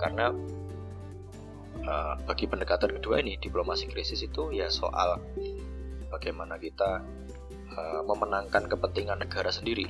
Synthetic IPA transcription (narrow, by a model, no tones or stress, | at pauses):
ka̰rəna | əb̥aɡ̥ipəndəkat̪ankəd̥ua̰inɪd̥iplomasikɾisɪsit̪ujaso̰ʔa̰l | b̥aɡ̥ajmanakit̪a | əməmənaŋkankəpənt̪iŋanːəɡ̥aɾasəndiɾi